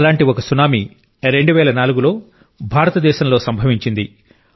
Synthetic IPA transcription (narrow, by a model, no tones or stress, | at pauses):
laːɳʈiɔkɐsunaːmi | ɾe̞ɳɖuʋɛːlɐnaːluɡulo̞ː | bʱaːɾɐt̪ɐd̪ɛːʃɐmlo̞ːsɐmbʱɐʋiɲt͡ʃind̪i